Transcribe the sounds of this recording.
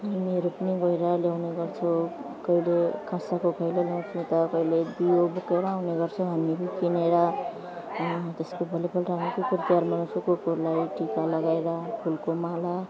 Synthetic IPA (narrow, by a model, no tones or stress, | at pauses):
ɦamiɾupniɡojɾʌljawneɡʌrt͡sʰʌ | kʌjlekʰãsakokʰʌjlelaw̃t͡sʰũt̪ʌkʌiled̪ijobukeɾʌawneɡʌrt͡sʰʌwɦamiɾukineɾʌ | t̪eskobʱʌlipʰʌlʈaɦmikipuɾt̪jaɾmansʰukokuɾlajʈikalʌɡaeɾapʰulkomala